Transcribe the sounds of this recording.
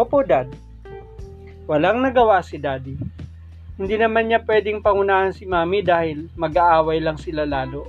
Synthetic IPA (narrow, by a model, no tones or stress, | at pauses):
opod̪ad̪ | wɐlaŋnɐɡɐwasɪd̪aːd̪i | hɪnd̪inɐmanɲapwɛːd̪ɪŋpɐŋʊnaːhɐnsɪmaːmid̪aːhɪlmɐɡaʔaːwɐjlɐŋsɪlalaːlo